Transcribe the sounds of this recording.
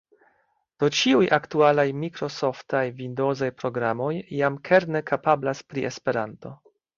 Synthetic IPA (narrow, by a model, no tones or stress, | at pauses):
d̥ot͡ʃiujʔaktualajmikɾo̞so̞ftajvindo̞zajpɾo̞ɡɾamo̞jːamkʰe̞ɾnekapablaspɾiʔespe̞ɾanto̞